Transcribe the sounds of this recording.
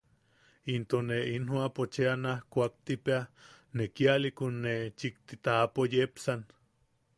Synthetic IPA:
int̪oneinhwapot͡ʃeanahkʷak̚t̪ipea | nekialikunːet͡ʃik̚t̪it̪aapojepsan

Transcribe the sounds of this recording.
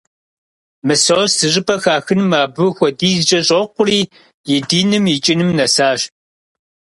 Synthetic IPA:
mɨsowsɨɕʼɨpʰʼɐxaːxɨnmaːbɨxʷɔdiːzɨt͡ʃʼɐɕʼɐqʷʊriː | jɪdiːnɨmit͡ʃʼɪnɨmnɐsaːɕ

